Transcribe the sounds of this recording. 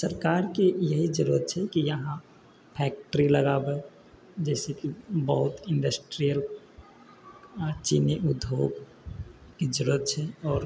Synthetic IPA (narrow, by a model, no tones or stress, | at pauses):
səɾkaːɾkejəɦid͡ʒəɾuət̪̚t͡ʃʰɛkijəɦã | pʰɛːk̚ʈəɾiləɡabɛ | d͡ʒɛːsekibəɦʊt̪ɪ̃ɳɖəsʈɾijəl | t͡ʃḭniʔud̪ʱjoːɡ | ked͡ʒəɾuət̪̚t͡ʃʰɛɔːɾ